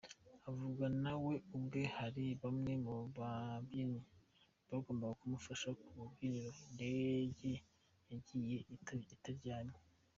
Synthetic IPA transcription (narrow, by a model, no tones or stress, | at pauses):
avuɡanawe̞ubɡe̞haɾiβamŋemobabini | baɡo̞ːmbaɡakumufaʃakuuɡiniɾondeɟe | jaɟije̞itaɾɟaːɲe